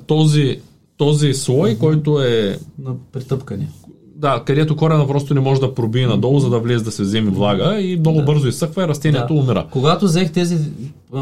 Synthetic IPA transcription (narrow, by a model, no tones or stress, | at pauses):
t̪ɔzi | t̪ɔzislˠɔjkɔjt̪oɛnɐpɾit̪ɤpkɐni | d̪akɐd̪ɛt̪okɔɾɛnɐpɾɔst̪onɛmɔʒɛd̪ɐpɾobiːnɐd̪ɔlˠzɐd̪ɐvlɛzɛd̪ɐsɛzɛmivlˠaɡəimnɔɡʊbɤɾzoisɤxvɐɛɾɐst̪ɛniɛt̪oʊmiɾə̰koɡat̪ozɛxt̪ɛzi